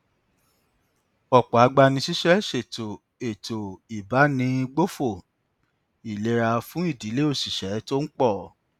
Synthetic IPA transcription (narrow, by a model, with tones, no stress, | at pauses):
ɔ˨k͡pɔ˨a˨˧ɡ͡ba˧nĩ˧si˦ʃɛ˦ʃe˨to˨ | e˨to˨i˨ba˨˦nĩ˧ɡ͡bo˦fo˦˨ | i˨le˦ɾa˧fũ˦i˦˨di˨˦le˦o˦˨si˨ʃɛ˨˦to˦n̩˦k͡pɔ˦˨